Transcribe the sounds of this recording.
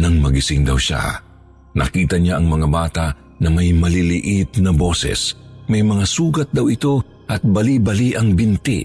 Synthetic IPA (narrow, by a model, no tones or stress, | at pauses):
nɐŋmɐɡɪsɪŋd̪ɐwʃa̰ | nɐ̰kiːt̪ɐɲaʔɐŋmɐŋabaːt̪ɐʔ | nɐmɐjmɐlilɪʔɪt̪nɐbo̞ːsɛ̰smɐjmɐŋasuːɡɐt̪̚d̪ɐwɪt̪o̞ | ʔɐt̪̚bɐlibɐliʔɐŋbɪnt̪ɪ̰